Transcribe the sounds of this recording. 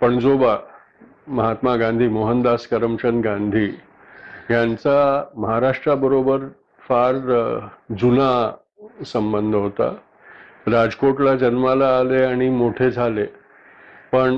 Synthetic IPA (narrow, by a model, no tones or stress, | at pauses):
pəɳd͡zoba | məɦat̪maɡãnd̪ʱiːmoɦənd̪askəɾəmt͡ɕənɡãnd̪ʱiː | jant͡saməɦaɾaʂʈɾabəɾobəɾ | faɾ | d͡zuna | səmbənd̪ʱɦot̪a̰ | ɾad͡zkoʈlad͡ʑənmalaːleaɽ̃imoʈʰed͡zʱale | pəɳ